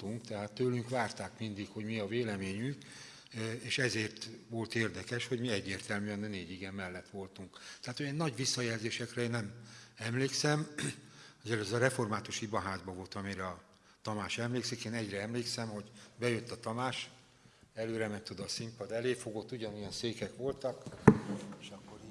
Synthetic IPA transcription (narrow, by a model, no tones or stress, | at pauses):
t̪uŋkt̪ɛɦaːt̪ːøːlyŋkʋaːrt̪aːkmind̪ikho̞ɟmiɒveːlɛmeːɲyŋk | eːʃɛzeːrt̪ʋo̞lt̪eːrd̪ɛkɛʃho̞ɟmiɛɟːeːrt̪ɛlmyɛnɛneːɟiɡɛmːɛlːɛt̪ʋo̞lt̪uŋkt̪ɛɦaːt̪hojɛːnːɒɟʋisːɒjɛlzeːʃɛkrɛeːnɛmɛmleːksɛm | ozɛløzɛɾɛfo̞rmaːt̪uʃibɒɦaːzbɒvo̞lt̪ɒmiɾɛɒ | t̪ɒmaːʃɛmleːksikeːnɛɟrɛɛmleːksɛmho̞ɟbɛjø̞t̪ːɒt̪ɒmaːʃ | ɛløːɾɛmɛnt̪ːod̪ɒsimpɒd̪ɛleːfo̞ɡo̞t̪ːuɟɒnujɒnseːkɛkʋo̞lt̪ɒk | eːʃɒkːo̞ɾi